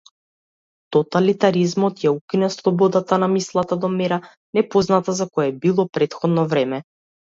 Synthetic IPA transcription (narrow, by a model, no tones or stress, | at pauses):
t̪ɔt̪alit̪aɾizmɔt̪jaukʲinɛslˠɔbɔd̪at̪anamislˠat̪ad̪ɔmɛɾa | nɛpɔznat̪azakɔjɛbilˠɔpɾɛt̪xɔd̪nɔvɾɛmɛ